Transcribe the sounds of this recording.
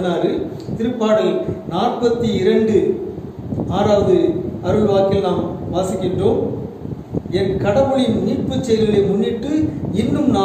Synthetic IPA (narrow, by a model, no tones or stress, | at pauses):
naːɾɯ | t̪ɪɾɯpːaːɽɪlnaːrpɐt̪ːiɪɾɐɳɖɯ | aːɾaːʋɐðɯɐɾɯʋɪʋaːkɪlnːaːmʋaːsɪkːɪɳʈroːm | ɛnkɐɽɐʋɯɭɪnniːʈpɯt͡ʃːɛjɾɪleːmʊnːɪʈːɯɪnːɯmna